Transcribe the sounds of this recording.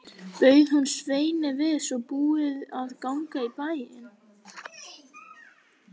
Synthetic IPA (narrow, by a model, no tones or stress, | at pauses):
pœːɥð̥hunsveːjnɪvɪsɔɣpuːɪðaðkawŋkaipaːjɪɪn